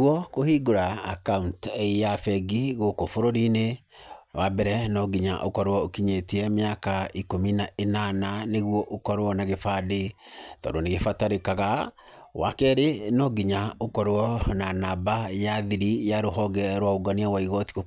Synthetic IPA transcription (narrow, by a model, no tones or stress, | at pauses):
uɔkohiɡoɾaːkauntejafɛɡiɣokofoɾoɾine | wabɛɾɛnɔɡiɲa̰ʔokɔɾwɔokiɲetiɛmjakaikominaenananeɣwɔʔokɔɾwɔnaɣefade | tɔ̰doneɣefataɾekaɣa | wa̰kɛɾenɔɡiɲaokɔɾɔnanabajaðiɾijaɾoɦɔɡɛɾwaoɡaniawaiɣɔtiɣo